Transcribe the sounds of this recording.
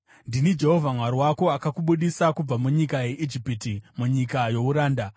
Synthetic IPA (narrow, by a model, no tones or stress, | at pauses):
ndinid͡ʒe̞ɦo̞vʱamwaɾiwako̞akakuɓuɗisakub͡vamuɲikaje̞ʔid͡ʒipitimuɲikajo̞uɾaːnda